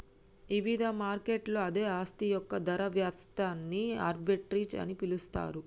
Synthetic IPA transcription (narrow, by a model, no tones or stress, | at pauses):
iʋid̪ʱɐmaːɾkeʈloːɐd̪e̞ːaːst̪ijɔkːɐd̪ɐɾɐʋjaːt̪t̪aːnːia̰ːɾbiʈɾiːt͡ʃɐ̰nipilust̪a̰ːɾu